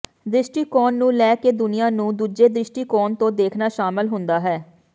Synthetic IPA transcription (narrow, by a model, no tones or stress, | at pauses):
d̪ɪʃʈiːkɔːnːũːlɛːkeːd̪ʊnɪjãːnũːd̪uːd͡ʒeːd̪ɾɪʃʈiːkɔːnt̪õːd̪eːkʰnaːʃaːmɪlɦʊnd̪aːɦɛː